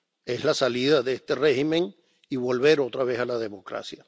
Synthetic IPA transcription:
e̞slasaliðaðeest̪e̞re̞himẽ̞ŋ | iβo̞lβe̞ɾo̞t̪ɾaβe̞salað̞e̞mo̞kɾa̰sja

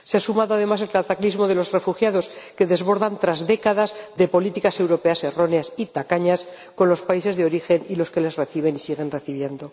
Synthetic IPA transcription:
seasumaðoað̞e̞mase̞lkat̪aklizmo̞ðe̞lo̞zre̞fuxjaðo̞ske̞ðe̞zβo̞ɾðant̪ɾazðe̞kaðazðe̞po̞lit̪ikase̞wɾo̞pe̞ase̞ro̞neasit̪akaɲas | ko̞nlo̞spaise̞zðeo̞ɾixe̞nilo̞ske̞le̞zre̞θiβ̞e̞nisiɣ̞e̞nre̞θiβje̞nd̪o̞

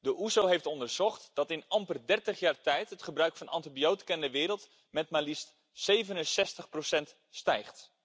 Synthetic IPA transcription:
dəʔuzowɦejftɔndəɹz̥ɔχtd̥ɑtɪnɑmpərdɛɹtəχjaːɹtɛjtɦətχəbrœɥkfɑnɑ̰ntibijowtkɛndəʋɪːɾəlˠt | mɛt̚maːlist | sejvənənsɛstəχprowsɛnt | stɛjχt

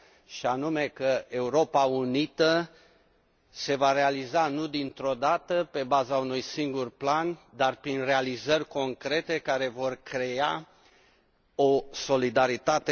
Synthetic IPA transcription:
ʃianume̞kəe̞uɾo̞paunit̪ə | se̞vaɾe̞alizanud̪int̪ɾo̞d̪at̪əpe̞bazaunujsiŋɡurpland̪arpɾinre̞alizərʲko̞ŋkɾe̞t̪e̞kaɾe̞vo̞rkɾe̞a̰ | oso̞lid̪aɾit̪at̪e

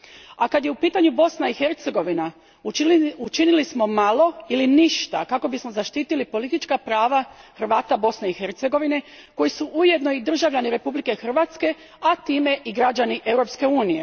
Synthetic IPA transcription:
akad̪jeupiːt̪aɲubo̞snaixe̞ɾt̪se̞ɡo̞ʋina | ut͡ʃinilismo̞malo̞iliniʃt̪a̰kako̞bismo̞zaʃt̪iːt̪ilipo̞lit̪it͡ʃkapɾaːʋaxɾʋaːt̪abo̞sne̞ixe̞ɾt̪se̞ɡo̞ʋine̞ | ko̞jisuʔuje̞d̪no̞id̪r̩ʒaʋʎaniɾe̞publike̞xr̩ʋat̪ske̞ | at̪iːme̞ʔiɡɾad͡ʑaniʔe̞wɾo̞pske̞uːnije̞

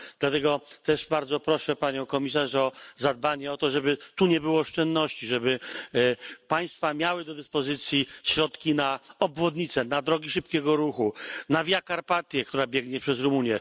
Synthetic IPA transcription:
d̪lat̪ɛɡɔt̪ɛʂbaɾd̪zɔpɾɔʂɛpaɲɔ̃w̃kɔmʲis̬aʂɔzad̪̚baɲɛɔt̪ɔʐɛbɘt̪uɲɛbɘwɔːʂt͡ʂɛnd̪nɔɕt͡ɕiʐɛbɘ | paj̃st̪famʲjawɘd̪ɔd̪ɘspɔzɘt̪sʲjiɕɾɔt̪kʲinaɔbvɔd̪ɲit̪sɛnad̪ɾɔɡʲiʂɘpkʲɛɡɔɾuxunavʲjakaɾpat̪ʲjɛkt̪uɾabʲjɛɡɲɛpʂɛzɾumuɲjɛ

